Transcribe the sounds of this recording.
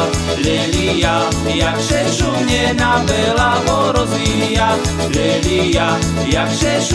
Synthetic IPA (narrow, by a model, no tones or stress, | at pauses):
lɛlija | jakʃɛʃumɲɛnabɛlaɦɔɾɔzi | ja | lɛlija | jakʃɛʃ